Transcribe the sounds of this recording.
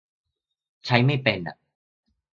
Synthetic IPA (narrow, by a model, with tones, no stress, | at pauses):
t͡ɕʰa˦˥jma˥˩jpe˧nʔa̰˨˩